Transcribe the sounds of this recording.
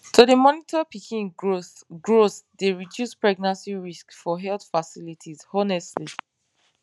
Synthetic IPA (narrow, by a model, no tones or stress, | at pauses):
tudəmɔnitʰɔpikʰĩn | ɡɹoθdeɹidjuspɹɛɡ̚nãnsiɹiskfɔɦɛltfasilitʰizɔnɛstli